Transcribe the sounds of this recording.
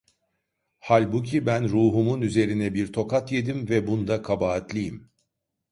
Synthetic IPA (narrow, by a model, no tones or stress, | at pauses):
halʲbucʰibænɾuːɦumunyze̞ɾinɛbiɾt̪ʰo̞kat̪je̞d̪imvɛbund̪akʰabaːt̪lʲijim